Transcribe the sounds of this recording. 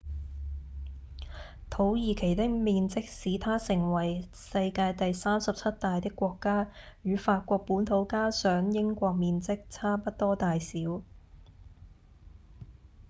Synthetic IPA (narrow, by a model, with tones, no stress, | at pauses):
t̪ʰo˨˥wjiː˨˩kʰe˨˩jt̪ɪ˥k̚miː˧nt͡sɪ˥k̚siː˨˥t̪ʰaː˥sɪ˨˩ŋwɐ˨˩j | sɐ˧jkaː˧jt̪ɐ˨jsaː˥msɐ˨p̚t͡sʰɐ˥t̚t̪aː˨jt̪ɪ˥kːʷɔː˧kːaː˥ | jyː˨˧faː˧t̚kʷɔː˧k̚puː˨˥nt̪ʰo˨˥wkaː˥sœː˨˥ŋjɪ˥ŋkʷɔː˧k̚miː˧nt͡sɪ˥k̚t͡sʰaː˥pɐ˥t̚t̪ɔː˥t̪aː˨jsiː˨˥w